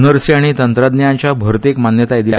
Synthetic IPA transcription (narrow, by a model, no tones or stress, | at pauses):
nəɾsiaɽ̃it̪ənt̪ɾad̪njãɲt͡ɕjabʱəɾt̪ekmanjət̪aed̪i